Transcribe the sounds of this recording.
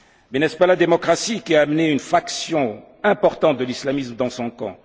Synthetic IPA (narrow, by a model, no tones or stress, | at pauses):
mɛnɛspalad̪emɔkχasikʲiaːmneynfaksjɔ̃ | ɛ̃pɔʁt̪ɑ̃t̪̚d̪əlislamismd̪ɑ̃sɔ̃kɑ̰̃